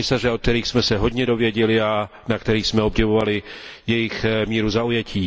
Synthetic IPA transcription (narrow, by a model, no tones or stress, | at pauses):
ɪsarɛok̚t̪ɛɾiːxsmɛsɛɦo̞dɲɛdo̞vjɛɟɛlɪa | nakt̪ɛɾiːsmɛo̞bɟɛvo̞valɪjɛjɪxmiːɾuzaujɛcʰiː